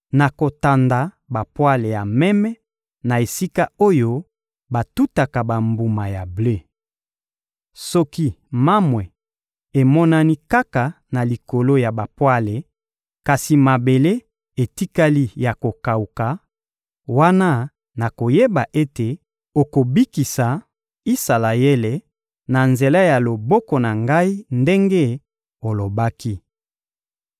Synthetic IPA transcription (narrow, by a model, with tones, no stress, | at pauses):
na˨ko˨ta˨nda˨ | ba˨pwa˦le˨ja˨mɛ˦mɛ˦ | na˨e˨si˦ka˦o˦jo˦ | ba˨tu˦ta˨ka˨ba˨mbu˨ma˨ja˨ble˦ | sɔ˦ki˦ma˦mwɛ˨ | e˨mɔ˦na˦ni˦ka˦ka˨ | na˨li˨ko˨lo˦ja˨ba˨pwa˦le˨ | ka˨si˨ma˨be˨le˦ | e˨ti˦ka˦li˦ja˨ko˨ka˨u˨ka˨ | wa˦na˦ | na˨ko˨je˦ba˨ʔe˦te˨ | o˨ko˨bi˦ki˨sa˨ | i˦sa˨la˨je˦le˨ | na˨nze˨la˦ja˨lo˨bɔ˦kɔ˨na˨ŋɡa˦i˦nde˦ŋɡe˦ | o˨lo˨ba˦ki˦